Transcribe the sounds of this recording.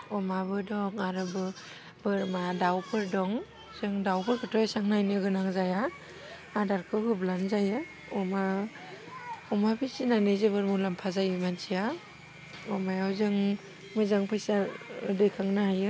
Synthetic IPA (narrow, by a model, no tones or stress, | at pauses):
ɔmabɯdɔŋaɾɯbɯ | bɯɾmadawpʰɯɾdɔŋ | z̥ɯŋdawpɯɾkʰɯtʰɔsaŋnajnɯɡɯnaŋzaja | adaɾkʰɯɦɯblanzajɯ | ɔma | ɔmapisinanɯjzebɯɾmulampʰazajɯmansʰija | ɔmajawzɯŋ | mɯjzaŋpʰɯjsadɯjkʰaŋnahajɯ